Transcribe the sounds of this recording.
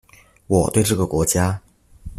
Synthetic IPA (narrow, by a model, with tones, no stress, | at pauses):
wɔ˨˩t̪we˥˧ɪʈ͡ʂɤ˥˩ɡə˩kwɔ˧˥t͡ɕja˥